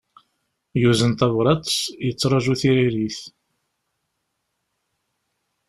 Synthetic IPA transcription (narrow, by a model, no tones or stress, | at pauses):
juzənt̪ɑvɾˤɑt̪sjət͡sːɾˤɑʒuθiɾiɾiθ